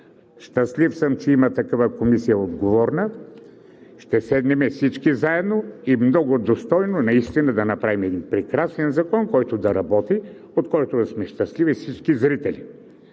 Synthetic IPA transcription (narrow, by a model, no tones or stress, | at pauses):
ʃt̪ɐslifsəmt͡ʃɛimɐt̪ɐkavakomisijɐod̪ɡovɔɾnə | ʃt̪ɛsɛd̪nimɛfsit͡ʃkizaɛd̪noimnɔɡʊd̪ost̪ɔjnonɐist̪inəd̪ɐnɐpɾavimɛd̪inpɾɛkɾasnɛnzɐkɔnkɔjt̪od̪ɐɾɐbɔt̪i | ot̪kɔjt̪osmɛʃt̪ɐslivifsit͡ʃkizɾit̪ɛlḭ